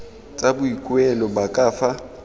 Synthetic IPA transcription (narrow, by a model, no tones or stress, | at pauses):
t͡sʼabʊikʼwɛlɔbakʼaːfa